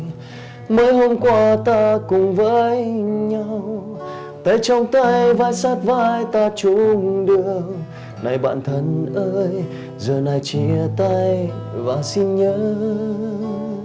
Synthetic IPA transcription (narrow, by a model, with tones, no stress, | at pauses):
məː˨˦jɦo˧mkwaː˧t̪aː˧kʊ˨˩ŋ͡mvəː˧˦jɲa˧w | t̪a̰ː˧˦jt͡ɕɔ˧wŋ͡mt̪a˧jvaː˧˩jsaː˦˥t̚vaː˧jt̪aː˧t͡ɕu˧˦ɗɨ˧˩əŋ | na˨˩jɓa̰ː˧˨nt̪ʰə˧˩nʔəː˧j | zəː˨˩na˨˩jt͡ɕi˧˩ət̪a˧jvaː˨˩si˧nɲəː˧˦